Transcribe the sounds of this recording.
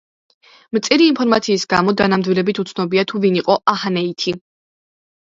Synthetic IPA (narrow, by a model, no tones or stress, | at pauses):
mt̪sʼiɾiːnpʰɔɾmat̪sʰiːsɡamɔd̪anamd̪wilɛbit̪ʰut̪sʰnɔbiat̪ʰuviniqʼɔʔahanɛit̪ʰi